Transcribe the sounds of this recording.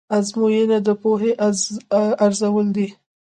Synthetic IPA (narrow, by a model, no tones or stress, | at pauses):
azmojenad̪əpoɦeʔ | aɾzawəld̪i